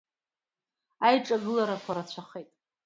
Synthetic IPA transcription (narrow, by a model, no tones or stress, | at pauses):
ajʈ͡ʂʼaɡɨlaɾakʷʰaɾat͡ɕʷʰaχetʼ